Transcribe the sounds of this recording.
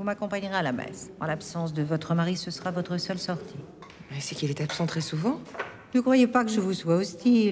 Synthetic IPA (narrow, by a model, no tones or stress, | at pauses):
vumakɔ̃paɲʁealabɛ̰sɑ̰̃lapsɑ̃s̬d̪əvɔt̪χəmaʁisəsəʁavɔt̪χəsœlsɔʁt̪ʰi | ɛsəkilɛt̪apsɑ̃t̪χɛsuvɑ̃ | nəkχwajepakəʒəvuswaost̪i